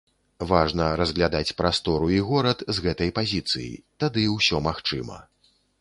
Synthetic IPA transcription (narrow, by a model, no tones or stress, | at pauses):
vaʐnɐɾɐzɣlʲad̪at͡sʲpɾast̪ɔɾuiɣɔɾɐt̪zɣɛt̪ɐjpazʲit̪sɨ̰jḭt̪ad̪ɨwsʲɔmaxt͡ʂɨmɐ̰